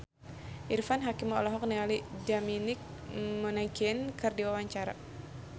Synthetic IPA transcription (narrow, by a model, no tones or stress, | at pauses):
ʔirfanɦakimɔlɔɦɔk̚nialidaminɪk̚ | mɔnaɡɛnkərdiwawaɲt͡ʃaɾa̰